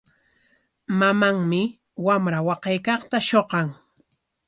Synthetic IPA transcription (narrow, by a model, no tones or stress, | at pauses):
mamaŋmɪ | wamɾawɑqɑjkɑχt̪aʃoqɑŋ